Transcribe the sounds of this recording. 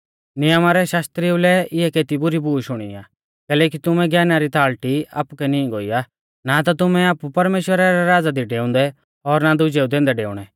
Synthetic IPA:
nɪjəmaɾɛʃaːst̪ɾiʊlɛɪɦɛkeːt̪ibʊɾibʱuːʃʊɽ̃ḭa̰ː | kɛːlɛːk̬it̪ʊmɛ̃ɡjɛːnaɾit̪aːɭʈia̰ːpukɛnĩɡoːḭjaː | nat̪at̪ʊmɛ̃aːpupɐɾmeːʃwəɾaɾɛɾaːd͡zad̪iɖeːʊ̃nd̪ɛ | ɔɾnad̪ʊd͡ʒeːud̪ẽːnd̪ɛɖeːʊ̰ɽ̃ɛ

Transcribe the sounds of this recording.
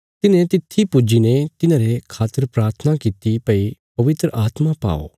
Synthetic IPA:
t̪ɪnẽt̪ɪt̪ʰːipʊd͡ʒinẽt̪ɪnãːɾekʰaːt̪əɾpɾaːɾt̪ʰənakit̪ipɐipɐʋɪt̪ɾəʔaːt̪mapa̰ːo̰ː

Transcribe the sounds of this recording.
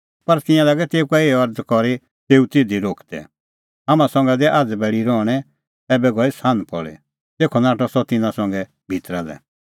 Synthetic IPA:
pɐɾt̪ɪ̃jãlaːɡɛt̪eːukaeːɐɾd̪kɔɾe | t̪eːut̪ɪd̪ʱiɾoːkʰd̪ɛ̰ | ɦamãsɔ̃ŋ̆ɡɛd̪ɛʔad͡zbɛːɭiɾɔːɽ̃ɛ | ɛːbɛɡɔisãːnpɔ̰ɭɛ̰ | t̪eːkʰɔnaːʈɔsɔt̪ɪnãsɔ̃ŋɡɛ | bʱit̪ɾad̪ɛ̰

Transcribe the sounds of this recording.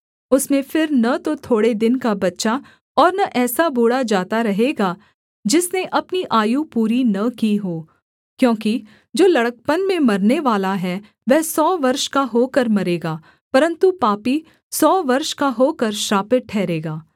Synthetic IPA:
ʊsmẽfɪɾnɐt̪ot̪ʰoːɽed̪ɪnkabɐtːʃa | ɔːɾnɐʔɛːsaboːɽad͡ʒaːt̪aɾɐɦeːɡaː | d͡ʒɪsneʔɐpniʔaːjũpuːɾinɐkiɦoː | kjõːki | d͡ʒoːlɐɽək̚pənmẽmɐɾneʋaːlaɦɛ | ʋɛːsɔːʋɐɾʃkaɦoːkəɾmɐɾeːɡaː | pɐɾə̃nt̪upaːpi | sɔːʋɐɾʃkaɦoːkəɾʃɾaːpɪʈ̚ʈʰːɛːɾeːɡaː

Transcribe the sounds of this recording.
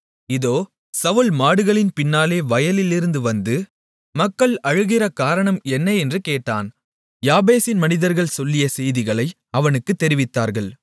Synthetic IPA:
ɪðoː | sɐʋɯɭmaːɽɯɣɐɭɪnpɪnːaːleːʋɐjɐlɪlːɪɾɯnd̪ɯʋɐnd̪ɯ | mɐkːɐɭɐɻɯɣɪrɐkaːɾɐɳɐmɛnːɐɛndrɯkeːʈːa̰ːn | jaːbeːsɪnmɐnɪðɐɾɣɐɭsɔlːɪjɐsɛjðɪɣɐɭɐɪ | ɐʋɐnɯkːɯt̪ːɛɾɪʋɪt̪ːaːɾɣɐɭ

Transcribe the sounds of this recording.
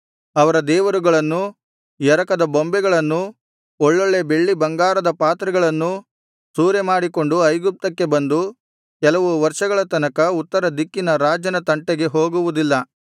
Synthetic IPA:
ɐʋɐɾɐd̪ɛːʋɐɾuɡɐɭɐnːu | jɛɾɐkɐd̪ɐbombɛɡɐɭɐnːu | ɔɭːoɭːe̞be̞ɭːibɐŋɡaːɾɐd̪ɐpaːt̪ɾɐɡɐɭɐnːu | suːɾemaːɽiko̞ɳɖuɐjɡup̚t̪ɐkːe̞bɐnd̪u | kɛlɐʋuʋɐɾʂɐɡɐɭɐt̪ɐnɐkɐut̪ːɐɾɐd̪ikːinɐɾaːd͡ʒɐnɐt̪ɐɳʈeɡe̞ɦo̞ːɡuʋud̪ilːɐ

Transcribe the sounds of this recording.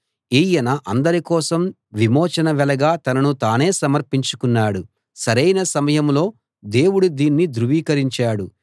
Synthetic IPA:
iːjɐnɐʔɐnd̪ɐɾikɔːsɐm | ʋimɔːt͡ʃɐnɐʋɛlɐɡaːt̪ɐnɐnut̪aːne̞ːsɐmɐɾpiɲt͡ʃu̥kunːaːɽu | sɐɾɐjnɐsɐmɐjɐmlo̞ː | d̪e̞ːwuɽud̪iːnːid̪ɾuʋiːkɐɾiɲt͡ʃaːɽu

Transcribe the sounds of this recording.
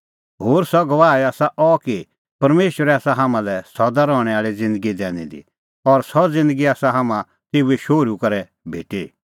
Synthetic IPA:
ɦoːɾsɔɡɐʋaːɛaːsaʔɔki | pɐɾmeːʃwəɾɛaːsaɦamãlɛsɔd̪aɾɔːɽ̃ɛ̃aːɭid͡zɪ̃nd̪əɡid̪ɛ̃ːñḭ̃d̪ḭ | ɔɾsɔd͡zɪ̃nd̪əɡiaːsaɦamã | t̪eːueʃoːɾukɐɾɛ | bʱḛːʈi

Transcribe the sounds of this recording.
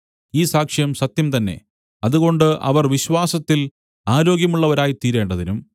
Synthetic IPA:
iːsaːkʂijɐmsɐt̪jɐmt̪ɐnːe̞̰ | ɐðuɣo̞ɳɖɨʔɐ̰ʋɐrʋiɕwaːsɐt̪ːil | aːɾo̞ːɡjɐmuɭːɐʋɐɾaːjit̪iːɾe̞ːɳɖɐðinum

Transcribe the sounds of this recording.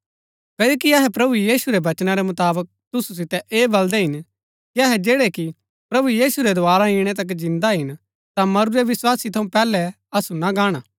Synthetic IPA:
kɐːoːkiɐɦɛpɾɐbujiːsuɾɛʋɐt͡ʃnaɾɛmʊt̪aːbək̚t̪ʊsus̬ɪt̪ɛʔeːbɐld̪ɛɦɪn | kiɐɦɛd͡ʒeːɽɛki | pɾɐbujiːsuɾɛd̪ʊaːɾaɪɽ̃ɛt̪̬ɐk̬d͡ʒɪ̃nd̪aɦɪn | t̪amɐɾuɾɛʋɪswaːsit̪ʰɐũpɛːlɛ | ɐsunaɡaːɽ̃aː

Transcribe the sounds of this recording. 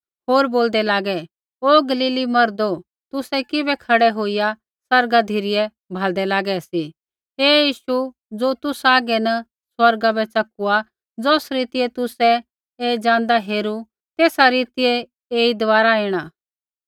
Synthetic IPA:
ɦoːɾboːld̪ɛlaːɡɛ | oːɡɐliːlimɐɾd̪o | t̪ʊsɛkɪbɛkʰɐɽɛɦoːija | sɐɾɡad̪ʱiɾɪjɛ | bʱaːld̪ɛlaːɡɛsi | eːjiːʃu | d͡zoːt̪ʊsaːɡɛnɐ | swɐɾɡabɛt͡ʃɐkua | d͡zoːsɾiːt̪ɪɛt̪ʊsɛ | eːd͡ʒãːnd̪aɦeːɾu | t̪eːsaɾiːt̪ɪɛ | eːid̪ʋaːɾaeːɽ̃aː

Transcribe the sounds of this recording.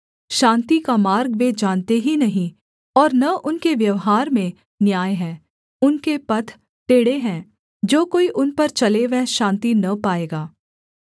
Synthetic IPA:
ʃãːnt̪ikamaːɾɡʋed͡ʒaːnt̪eɦinɐɦĩ | ɔːɾnɐʔʊnkeʋjɐʋɦaːɾmẽ | njaːjɦɛ̃ː | ʊnkepɐt̪ʰ | t̪eːɽeɦɛ̃ː | d͡ʒoːkoːiʔʊnpɐɾt͡ʃɐleʋɛɦʃãːnt̪inɐpaːeːɡaː

